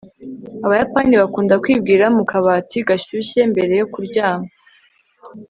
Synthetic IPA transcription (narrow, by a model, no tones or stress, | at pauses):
aβajapaːniβakuːndakwiːbɡiːɾamukaβaːtiɡaɕuɕe̞mbe̞ɾe̞jo̞kuɾɟaːma